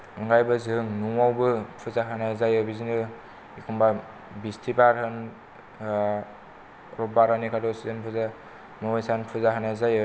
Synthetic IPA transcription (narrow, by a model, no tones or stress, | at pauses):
ɯŋɡajbɯzɯŋnuŋawbɯpʰɯzaɦanazajɯbizinɯ | ikʰumba | bistʰibaɾhɯn | ɾɔbaɾhɯnikʰadɔsizenpʰɯza | mɔwajsanpʰɯzaɦanazajɯ